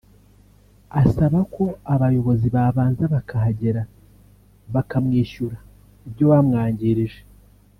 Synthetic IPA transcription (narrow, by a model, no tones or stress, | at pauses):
asaβakʰo̞aβajo̞βo̞ziβaːβaːnzaβakaɦaɟe̞ɾa | βakamŋiːʃuɾa | ibɟo̞wamŋaːɲɟiɾiʒe